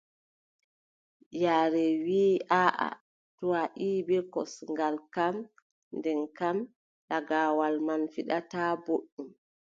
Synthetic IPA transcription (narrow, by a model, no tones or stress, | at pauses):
jaːɾɛwiːaʔa̰ | tuwaʔiːbiɾkɔ̰sŋɡalkam | ndɛnkam | ɗaɡaːwalmanfiɗataːboɗːum